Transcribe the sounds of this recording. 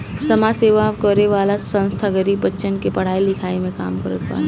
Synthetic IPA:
sɐmaseːʋakəɾeʋaːlasɐ̃ñst̪ʰaɡəɾiʋɐtːʃənkepɐɽ̤aːilɪkʰaːimẽka̰ːmkɐɾət̪̚ba̰ː

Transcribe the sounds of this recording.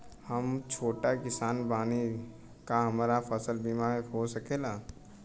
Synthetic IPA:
hɐmt͡ʃʰoːʈakɪsaːnbaːni | kaɦɐmaːɾafəsəlbiːmaɦosɐkʰeːlaː

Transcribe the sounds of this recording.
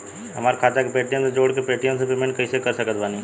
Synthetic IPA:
ɦɐmaːɾkʰaːt̪akepɾeːʈijə̃nsed͡ʒoːɽkepɾeːʈijə̃nsepemẽɳʈkɐisekɐɾsəkət̪ʋaːniː

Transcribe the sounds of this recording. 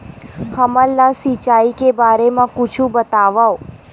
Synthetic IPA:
həməlːasit͡ʃaikebaɾemãkʊt͡ʃʰũbət̪aʋao

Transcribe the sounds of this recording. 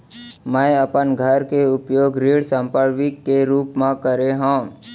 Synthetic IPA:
mə̃əpənɡʱəɾkeʊpjoːɡɾiːɽsə̃mpəɾʋɪkːeɾuːpmãkəɾeɦãː

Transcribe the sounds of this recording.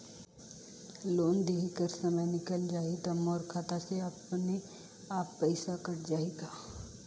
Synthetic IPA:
loːnd̪eːɦikəɾsɐməjnɪkəld͡ʒaːed̪ɐmɔːɾkʰaːt̪aseɐpne | aːpːɛɪsakɐɾd͡ʒaːeːɡaː

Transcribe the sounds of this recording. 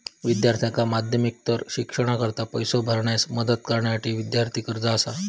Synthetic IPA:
ʋid̪jaɾt̪ʰijakamad̪ʱjəmik̚t̪əɾɕikʂəɽ̃akəɾt̪apəjsobʱəɾɳjasməd̪ət̪̚kəɾɳjasaʈiːʋid̪jaɾt̪ʰiːkəɾd͡zaːsa

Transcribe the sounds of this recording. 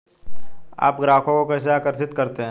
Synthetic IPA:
a̰ːpɡɾaːkʰõkokɛːseaːkəɾsɪt̪kɐɾt̪eɦɛ̃

